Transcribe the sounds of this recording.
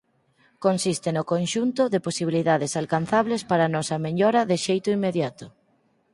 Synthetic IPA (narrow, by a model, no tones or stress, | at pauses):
konsist̪ɪnokonʃunt̪ʊðɪposiβ̞iliðaðɪsalkanθaβlespaɾanɔsɐmeʎɔɾɐðɪʃejt̪ʊimːeðjat̪ʊ